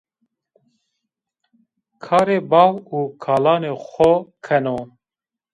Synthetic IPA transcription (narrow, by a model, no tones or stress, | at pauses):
kʰɑːɾeːbɑːwuːkʰaːlaːneːxʷɔkʰɛno